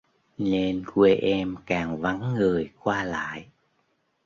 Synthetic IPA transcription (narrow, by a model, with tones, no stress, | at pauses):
ne˧nkwe˧ʔɛ˧mkaː˨˩ŋva˨˦ŋːɨ˨˩əjkwaː˧la̰ː˧˨jʔ